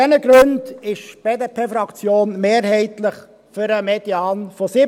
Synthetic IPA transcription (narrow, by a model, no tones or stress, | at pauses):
ɛnəɡɾʉndɪʃb̥eːdepʰeːfɾɑkt͡sjoːnmeːɾhɛɪtlɪχ | fʏɾəmed̥iɑːnfɔsɪ